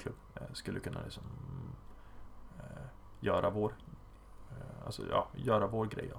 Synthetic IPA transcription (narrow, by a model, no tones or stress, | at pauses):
kʰlɵbːskɵlːəkʰɵnːa̰lɪksɔm | jœːɾʔavoːɾ | a̰lsɔ̰jɑ̰ːjœːɾavoːɾɡɾɛj